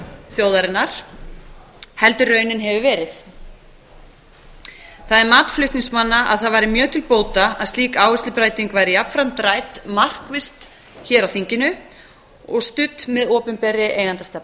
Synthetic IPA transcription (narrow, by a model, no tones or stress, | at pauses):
θjowðaɾɪnːaɾ̥ | hɛlt̪ʏrœːɥnɪnɦɛvʏvɛːɾɪθ | θaðɛɾmaːt̪flʏht̪niŋsmanːaʔa̰ðθaðvaːjɾɪmjœːt̪ʰɪlpoːwt̪aa̰ðst̪iːkaːwvɪslɪpɾajt̪iŋkvajɾɪjapfɾamt̪ɾaːjt̪mar̥kvɪst̪ | çɛːɾawθiɲcɪnʏ | ɔɣst̪ʏt̪mɛðɔːpʏmpɛɾɪʔeːjɣant̪ast̪ɛpn